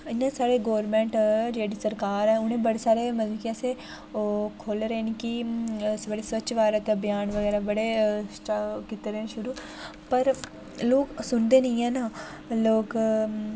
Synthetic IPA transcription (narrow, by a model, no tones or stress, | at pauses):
ɪnãːsaːɾeɡoːɾmɛ̃ːɳʈɾeːɖisəɾkaːɾɦɛ̃ːʊnẽːbəɽesaːɾeməzkijaːse | kʰoːlɾeenikisbəɽisʋətːʃʋaːɾat̪ebjaːnʋəɡɛːɾabəɽesʈakɪt̪eɾɦɛ̃ʃʊɾuː | pəɾ | loːksʊnd̪eːnəĩɛ̃ːna | loːk